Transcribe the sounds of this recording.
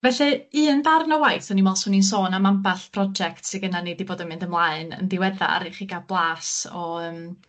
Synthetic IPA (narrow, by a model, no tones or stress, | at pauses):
vɛɬɨɨːnvarnɔwajθɔnimɔlˠsʊnins̬oːnamampaɬpʰrɔd͡ʒɛk̚tseɡənanediboːdɔmɨndəmlˠaɨnə̰ndɪwɛða̰a̰ɾeχiɡablˠaːsɔəːm